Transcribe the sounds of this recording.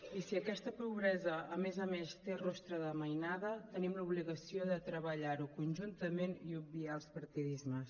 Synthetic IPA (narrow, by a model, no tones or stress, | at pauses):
isiəkɛst̪əpuβɾɛzəːmezəmest̪erɔst̪ɾəðəməjnaðət̪ənimləuβliɣəsioðət̪ɾəβəʎaɾukunʲʒunt̪əmeniub̚bialˠspəɾt̪iðizməs